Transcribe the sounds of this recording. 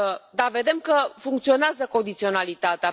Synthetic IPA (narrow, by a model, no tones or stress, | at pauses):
d̪ave̞d̪e̞mkəfuŋkt̪sio̞neazəko̞nd̪it̪sio̞nalit̪at̪ea